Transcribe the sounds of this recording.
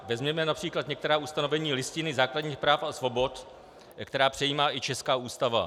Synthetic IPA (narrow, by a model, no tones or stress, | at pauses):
vɛzmɲɛmɛnapr̥iːklat̪ɲɛk̚t̪ɛɾaːust̪anovɛɲiːlɪscɪnɪzaːkladɲiːxpɾaːfasvo̞bo̞t̪ | kt̪ɛɾaːpr̝̥ɛjiːmaːʔɪt͡ʃɛskaːuːst̪ava̰